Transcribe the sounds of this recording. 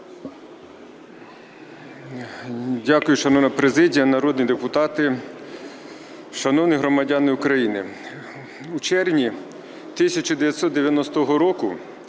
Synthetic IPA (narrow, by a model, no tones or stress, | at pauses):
dʲakʊjʊʃɐnɔʋnɐpɾezɪdʲijɐnɐɾɔd̪nʲid̪epʊt̪ɑt̪ɪ | ʃɐnɔwnɪɦɾɔmɐdʲɑnɪʊkɾɐjinɪ | ut͡ʃɛrnʲi | t̪ɪsʲɐt͡ʃɔd̪eʋʲjɐtʲsɔt̪d̪eʋʲjɐnɔst̪ɔɦɔɾɔkʊ